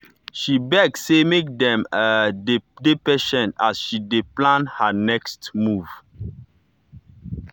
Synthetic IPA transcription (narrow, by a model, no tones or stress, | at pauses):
ʃibɛɡ̚ssemek̚dɛ̃mə | depɛʃɛ̃nasʃideplãnhanɛkstmuv̥